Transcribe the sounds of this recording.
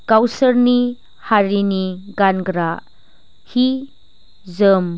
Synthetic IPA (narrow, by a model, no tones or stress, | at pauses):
kawsəɾni | haɾiniɡanɡɾa | hi | zəm